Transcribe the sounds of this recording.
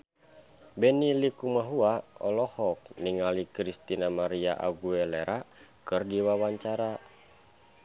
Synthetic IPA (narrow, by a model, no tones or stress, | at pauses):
bɛnilikumaɦuaɔlɔhɔk̚niŋalikɾist̪inamaɾia̰ʔa̰ɡuɛleɾʔakɨrdiwawaɲt͡ʃaɾa